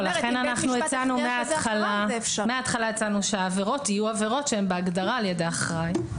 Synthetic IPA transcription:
laχe̞nanaχnuet͡sanummeat̪χalafmeaːt̪χalaet͡sanuʃeaːveʁo̞tijuave̞ʁo̞tʃeembeaɡd̪aʁaːljedeaχʁaj

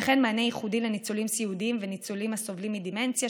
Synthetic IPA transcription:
χenmaːnejiχudilenit͡sulimsiud̪iimvenit͡sulimhasovlimːid̪iment͡sja

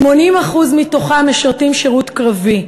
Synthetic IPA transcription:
mo̞nimaχuzmitoχameʃaʁtimʃeʁutkʁavi

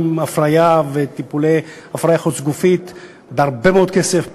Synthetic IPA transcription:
mafʁajavet̪ipulej | afʁajaχot͡sɡufit̪ | beaʁbemeo̞d̪̚kesef

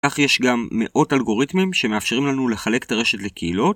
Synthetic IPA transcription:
aχje̞ʃɡamːe̞ʔo̞talɡo̞ʁitmimʃe̞meafʃeʁimlanule̞χale̞ktaʁe̞ʃe̞tle̞kʰeilo̞t

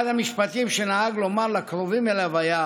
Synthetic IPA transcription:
d̪amiʃpat̪imʃenaaɡlomaʁlakɾovimelavaja

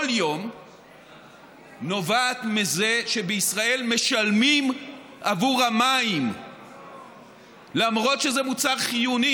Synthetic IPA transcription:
ljo̞m | no̞vaːt̪mize̞ʃebeisʁae̞lme̞ʃalmim | ʔavuʁamaim | lamʁo̞t̪ʃezemut͡saʁχijuni

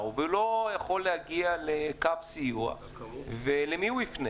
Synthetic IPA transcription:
uvelo̞jaχo̞lːehaɡialekavsijua̰ | velemiuifne

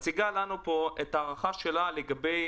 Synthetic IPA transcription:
t͡siɡalanupo̞ʔetaːʁaχaʃe̞laleɡabe̞j

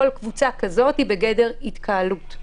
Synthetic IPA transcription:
olkvut͡sakazo̞thibeɡede̞ʁitkʰaalut

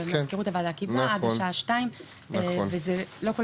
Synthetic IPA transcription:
kmazkeʁut̪avalakibaadaʃaʃtaim | vezelo̞kul

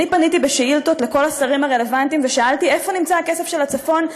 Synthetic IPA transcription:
nipanit̪ibeʃeilt̪ot̪le̞ko̞lasɐʁimhaʁe̞le̞vant̪imveʃaaltie̞fo̞nimt͡saake̞se̞fʃe̞lat͡safo̞n

